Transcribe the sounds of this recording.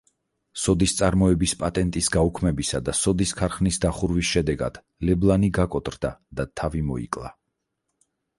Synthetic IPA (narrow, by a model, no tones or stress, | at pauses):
sɔd̪ist̪sʼaɾmɔɛbispʼat̪ʼɛnt̪ʼisɡaukʰmɛbisad̪asɔd̪iskʰaɾχnisd̪aχuɾvisʃɛd̪ɛɡa̰d̪̥ | lɛblˠaniɡakʼɔt̪ʼɾd̪ad̪̥at̪ʰavimɔḭkʼlˠa̰